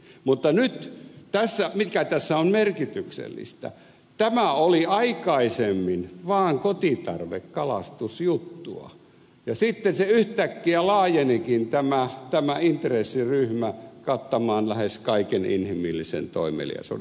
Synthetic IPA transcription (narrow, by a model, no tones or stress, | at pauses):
mut̪ːɑnyt̪t̪æsːæmitkæt̪æsːæommerkit̪yksḛlːḭst̪æ̰ | t̪æmæoliɑikɑisemːinʋɑːŋkot̪it̪ɑ̰rʋḛkkɑlɑst̪usjut̪ːṵɑ̰ | jɑsit̪ːenseyht̪ækːiælɑːjenikint̪æmæt̪æmæint̪resːiryhmækɑt̪ːɑmɑːnlæheskɑikenḭnhimilːisḛnt̪o̰imḛlḭɑ̰so̰